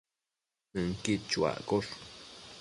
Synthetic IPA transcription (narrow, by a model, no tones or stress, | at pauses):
əŋkit͡ʃwa̰ʔkoɬ